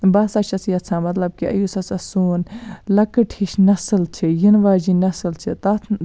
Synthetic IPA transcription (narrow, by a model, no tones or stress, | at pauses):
bɐsɐt͡ʃʰɐsjɐtt͡sʰãːmɐt̪lɐb̚kiʔɐ̰jusɐsɐsuːnlɐkɨʈʰiʃnɐsɨlt͡ʃʰijinʋaːd͡ʒinɐsɨlt͡ʃʰit̪ɐt̪ʰ